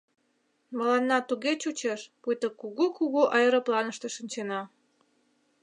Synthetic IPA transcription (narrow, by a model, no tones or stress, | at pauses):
mə̆lɑnːɑt̪uɣet͡ɕut͡ɕeʃpujt̪əkuɣukuɣuʔɑjəɾə̆plɑnəʃt̪ĕʃənʲt͡ɕenɑ